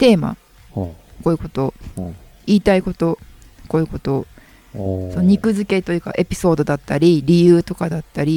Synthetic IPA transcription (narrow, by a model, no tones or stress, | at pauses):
t̪e̞ːma̰ | koːɯ̟ko̞t̪o̞ | iːt̪aiko̞t̪o̞ | ko̞ːi̟ko̞t̪o̞ | sonoɲ̟ikɯ̟zɨke̞t̪o̞jɯ̟ka̰ʔe̞pʲi̥so̞ːd̪o̞d̪at̪ːaɾʲiɾʲijɯːt̪o̞kad̪at̪ːaɾʲi